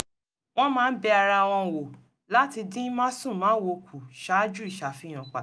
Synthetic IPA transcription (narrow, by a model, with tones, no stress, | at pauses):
w̃ɔ̃˦mãː˦n̩˦bɛ˧a˧ɾa˧a˨w̃ɔ̃˧˨wo˨ | la˦ti˧dĩ˦mã˦sũ˦˨mãː˨˦wo˧kʰu˨ʃa˨˦d͡ʒu˦i˦˨ʃa˨fi˦j̃ã˨k͡pa˨